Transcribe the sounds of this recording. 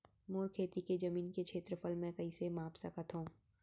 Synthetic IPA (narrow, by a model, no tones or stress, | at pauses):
moːɾkʰeːt̪iked͡ʒɐmiːnkekʃʰeːt̪ɾəpʰəlmɛ̃kɐisemaːpsɐkət̪ɦũː